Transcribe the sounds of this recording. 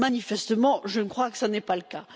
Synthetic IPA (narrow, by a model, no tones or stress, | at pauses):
manifɛst̪əmɑ̃ʒənkχwakə̥sanɛpaləka